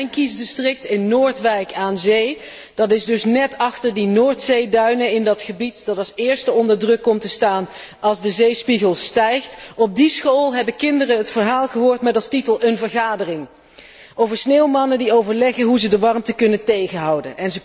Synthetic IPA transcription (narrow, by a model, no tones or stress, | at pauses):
jnkisdəstrɪk̚tɪnːoːɹtʋɛjkaːnzej | d̥ɑtɪzdɵsnɛtɑχtəɹdinoːɹtsejdœɥnəɪndɑtχəbitd̥ɑtɑlˠsɪːɹstəɔndəɹdrɵkːɔmtəstaːn | ɑlˠzdəzejspiɣəlˠstɛjχtɔb̚disχolˠɦɛbəkɪndərəɦətfəɹɦaːlˠχəɦʊːɹtmɛtɑlˠstitəlˠənvəɹχaːdərɪŋ | ʔowvəɹsneːwmɑnədiowvəɹlɛχəɦuzədəʋɑɹmtəkɵnətejχəɦɑwdə̰nʔɛnzə